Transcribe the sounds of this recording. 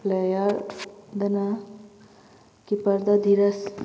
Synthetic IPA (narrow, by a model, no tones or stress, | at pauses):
plejɐɾd̪ɐna | kipɐɾd̪ɐd̪ʱiɾɐs